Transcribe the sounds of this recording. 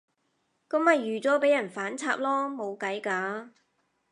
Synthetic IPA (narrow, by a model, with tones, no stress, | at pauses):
kɔ˨˧˥mɐ˨jːyː˨˩t͡sɔː˨˥pe˨˥jɐ˨˩nfaː˨˥nt͡sʰa̰ː˧p̚lɔː˥mo˨˧wkɐ˨˥jkaː˨˧